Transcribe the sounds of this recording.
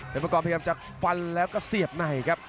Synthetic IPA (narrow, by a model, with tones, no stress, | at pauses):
eː˨˩pɾkɔː˨˩p̚ʰa˧jaː˧mt͡ɕaː˨˩k̚fa˧nlɛː˦˥wkɔː˥˩si˨˩əp̚na˨˩jkʰa˦˥p̚